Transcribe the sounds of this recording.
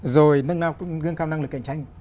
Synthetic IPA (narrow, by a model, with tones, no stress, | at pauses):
zo˨˩jnə˧ŋnaː˧wɣɨ˧əŋkaː˧wna˧ŋlɨ˨˩k̚ːḭ˧˩˨ŋt͡ɕa˧jŋ